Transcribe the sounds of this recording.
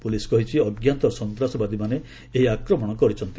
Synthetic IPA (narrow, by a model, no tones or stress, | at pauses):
puliskɔɦit͡ʃʰiɔɡjant̪ɔsɔnt̪ɾasɔbad̪imane | eɦiakɾɔmɔɽ̃ɔkɔɾit͡ʃʰɔnt̪i̥